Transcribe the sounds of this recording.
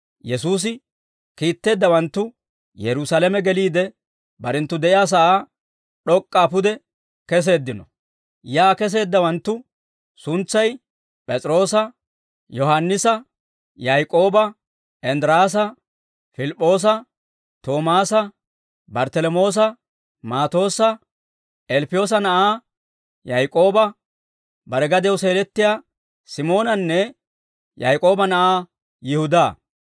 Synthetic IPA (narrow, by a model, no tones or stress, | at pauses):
jɛsuːs̬ɪ | kiːt̪ːe̞ːd̪ːɐwɐnt̪ːʊ | jɛɾʊsalɛmɛɡɛliːd̪ɛ | bɐɾɛnt̪ːʊd̪ɛʔɪjaːs̬ɐʔaː | ɗɔkʼːaːpʊd̪ɛ | kɛs̬e̞ːd̪ːɪnɔ | jaːkɛs̬e̞ːd̪ːɐwɐnt̪ːʊ | sʊnt͡sːɐj | pʼɛt͡sʼɾo̞ːs̬ɐ | jɔɦɐnːɪsɐ | jajkʼo̞ːbɐ | ʔɛnd̪ɪɾaːs̬ɐ | fɪlɪpʼːo̞ːs̬ɐ | t̪o̞ːmaːsɐ | bɐɾt̪ɛlɔmo̞ːs̬ɐ | maːt̪o̞ːsɐ | ʔɛlpɪjo̞ːs̬ɐnɐʔaː | jɐjkʼo̞ːbɐ | bɐɾɛɡɐd̪ɛwse̞ːɾɛt̪ːɪjaː | sɪmo̞ːnɐnːɛ | jajkʼo̞ːbɐnɐʔaː | jɪhʊd̪aː